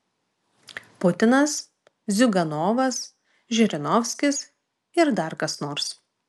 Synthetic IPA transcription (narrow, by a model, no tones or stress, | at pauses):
pʊt̪ʲɪnɐs | zʲʊɡɐnoːʋɐs | ʒʲɪɾʲɪnɔfʲsʲkʲɪs | ɪɾd̪ɐɾkɐsnoːɾs